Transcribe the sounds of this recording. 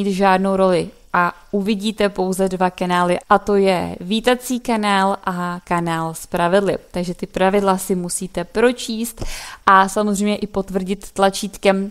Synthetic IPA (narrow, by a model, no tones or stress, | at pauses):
iːt̪ʒaːdno̞wɾo̞lɪ | ʔaʔuvɪɟiːt̪ɛpo̞wzɛdvakanaːlɪʔat̪o̞jɛ̰viːt̪at͡siːkanaːlʔakanaːlspɾavɪdlɪ̰t̪aɡʒɛt̪ɪpɾavɪdlasɪmusiːt̪ɛpɾo̞t͡ʃiːst̪ʔasamozrɛjmɲɛʔɪpo̞t̪vr̩ɟɪt̪ːlat͡ʃiːt̪kɛm